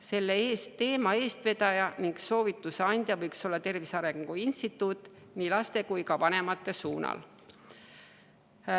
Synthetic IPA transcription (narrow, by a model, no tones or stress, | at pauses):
se̞lːeeːst̪e̞ːmɑe̞ːst̪ve̞d̪̥ɑjɑniŋkso̞ːvit̪ːˑuseɑnʲd̪̥jɑvɤjkso̞lːɑt̪e̞rvisɑɾe̞ŋɡɡ̥uinst̪it̪ːˑut̪ːˑ | niːlɑst̪e̞kujkɑvɑne̞mɑt̪ːˑe̞suːnɑ̰l